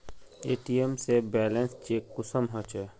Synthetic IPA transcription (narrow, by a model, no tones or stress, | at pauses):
eːʈiːemsebɛːlẽnst͡ʃeːkːʊsəmɦə̃t͡ʃɛ